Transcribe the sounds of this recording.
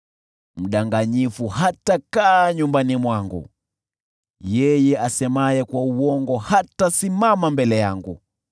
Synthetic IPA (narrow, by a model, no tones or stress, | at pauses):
m̩ɗaŋɡaɲifuhatakaːɲumbanimwaŋɡṵ | jɛjɛasɛmajɛkwauɔŋɡɔhatasimamambɛlɛjaŋɡṵ